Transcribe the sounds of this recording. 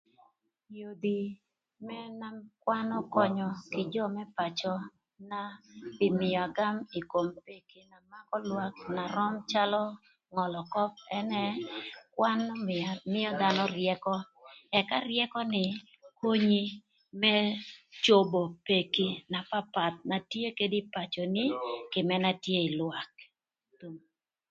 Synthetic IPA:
jo˨d̪i˨ | mɛ˦na˦kwa˦nɔ˦kɔ˦ɲɔ˨kɪ˨d͡ʒɔ˦mɛ˦pa˨t͡ʃɔ˦ | na˦ɪ˨mɪ˨ɔ˨a˨ɡa˦mi˨ko˨mpe˨ki˦na˨ma˦kɔ˦lwa˦k̚na˨ɾɔ˦mt͡ʃa˦lɔ˦ | ŋɔ˨lɔ˨kɔ˦p̚ɛ˦nɛ˦kwa˦nmɪ˦jɔ˦d̪a˨nɔ˦rjɛ˦kɔ˦ | ɛ˨ka˦rjɛ˦kɔ˦nɪ˨ | ko˦ɲi˦ | mɛ˦t͡ʃo˦bo˨pe˨ki˦na˨pa˦pa˨t̪̚na˨tje˦ke˦di˦pa˨t͡ʃɔ˨nɪ˦kɪ˨mɛ˦na˦tje˦ɪ˨lwa˨k̚ | tu˨m

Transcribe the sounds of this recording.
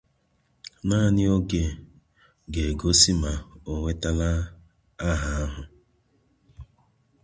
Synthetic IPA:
na˦˨nɪ˦o˦ɡe˨ | ɡe˨ɡo˦si˦ma˨o˨ŋʷe˦ta˦la˦ | a˦ɦa˨a˦ɦʊ˨

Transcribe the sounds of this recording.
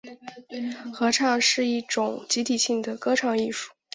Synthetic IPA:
xɤ˧˥ʈ͡ʂʰɑ˥˩ŋʂɻ̩˥˧i˥˩ʈ͡ʂʊ˨˩ŋt͡ɕi˧˥t̪ʰi˨˩ɕi˥˩ŋd̪ə˩kɤ˥ʈ͡ʂʰɑ˥˩ŋi˥˧ʂu̥˥˩

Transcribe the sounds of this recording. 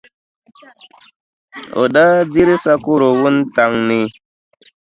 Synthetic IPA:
o̰˨ɗa˦d͡zi˦ɾi˦sa˦ku˦ɾo˨wu˦nta˨ŋni˨

